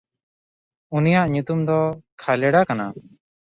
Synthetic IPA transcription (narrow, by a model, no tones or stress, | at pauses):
unijaʔɲut̪umd̪ɔkʰalɛɽakana